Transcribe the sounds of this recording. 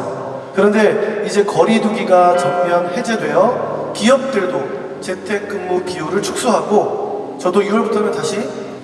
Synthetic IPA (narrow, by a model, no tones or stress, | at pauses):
kɯɾʌnde̞id͡ʑe̞kʌɾiduɡiɡat͡ɕʌmkiɦamhe̞d͡ʑe̞dwe̞jʌkiʌp̚t͈ɯɭdo | t͡ɕe̞tʰe̞k͈̚ɯmmopioɾɯɭt͡ɕʰu̥k̚s͈uɦaɡo | t͡ɕʌdoiwʌɭbutʰomjʌntaɕʰi